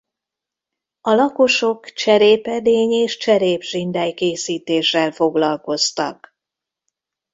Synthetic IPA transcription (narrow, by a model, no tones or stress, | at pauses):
ɒlɒko̞ʃo̞kt͡ʃɛɾeːpɛd̪eːɲeːʃt͡ʃɛɾeːbʒind̪ɛjkeːsiːt̪eːʃːɛlfo̞ɡlɒlko̞st̪ɒ̰k